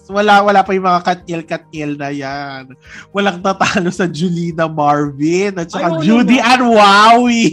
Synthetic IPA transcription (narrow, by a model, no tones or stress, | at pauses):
wɐlawɐlaːpɐjʊŋmɐŋakɐt̪̚ʔɛlkɐt̪̚ɛlnɐjanwɐlaŋt̪ɐt̪aːlosɐd͡ʒʊliːnɐmaɹvɪnɐt̪̚t͡ʃɐkad͡ʒuːd̪iʔɐnwawi